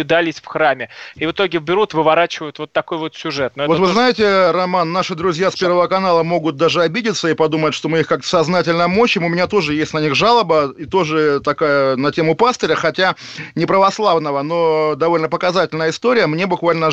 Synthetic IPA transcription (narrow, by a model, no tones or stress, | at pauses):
ɪd̪alʲɪsʲfxɾamʲɪivɨt̪o̞ɡʲɪvbʲɪɾut̪vɨvɐɾat͡ɕɪvəjʊt̪vot̪ːɐko̞jvot̪sʲʊʐɛt̪̚noɛvovɨznajɪtʲɪrɐmanːaʂɨd̪ɾʊzʲjaspʲe̞rvəvəkɐnalˠəmo̞ɡʊt̪̚d̪aʐɨɐbʲidʲɪt̪səipɐd̪umətʲʂt̪o̞mɨixkak̚t̪ə̥sɐznatʲɪlʲnəmo̞ɕːɪmʊmʲɪnʲat̪o̞ʐɨjesʲtʲnɐnʲiɣʐalˠəbəit̪o̞ʐɨt̪ɐkajənɐtʲe̞mʊpast̪əɾʲəxɐtʲa | nʲɪpɾəvɐslˠavnəvəno̞d̪ɐvo̞lʲnəpəkɐzatʲɪlʲnəjəɪst̪o̞ɾʲɪjəmnʲebʊkvalʲnə